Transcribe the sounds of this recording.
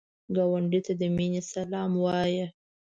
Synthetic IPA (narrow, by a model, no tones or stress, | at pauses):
ɡɑwaɳɖit̪ad̪əminesalɑmwɑjə